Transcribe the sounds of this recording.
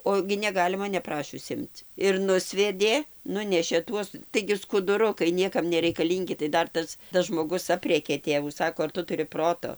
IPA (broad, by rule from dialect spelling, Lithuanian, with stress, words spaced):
ˈoː ɡʲɪ nʲɛˈɡɑːlʲɪmɐ nʲɛˈprɑːʃʲʊs ˈɪmt͡s ɪr ˈnʊsʲʋʲɛdʲeː ˈnʊnʲɛʃʲeː ˈtuɔs tɐɪɡʲɪ skʊdʊˈrʊkɐɪ ˈnʲiɛkɐm nʲɛrʲɛɪkɐˈlʲiːŋʲɡʲɪ tɐɪ ˈdɐr ˈtɐs tɐs ʒmoːˈɡʊs ˈɑːpʲrʲeːkʲeː ˈtʲeːʋuː ˈsɑːkoː ɐr ˈtʊ tʊˈrʲɪ ˈproːtoː